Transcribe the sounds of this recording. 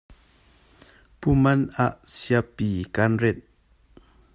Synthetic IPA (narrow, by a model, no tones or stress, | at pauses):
pumanaʔsjapikanɾet̪̚